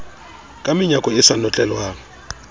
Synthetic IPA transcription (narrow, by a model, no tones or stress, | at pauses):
kʼamɪɲakʼɔɪsanɔt͡ɬʼɛlwaːŋ̩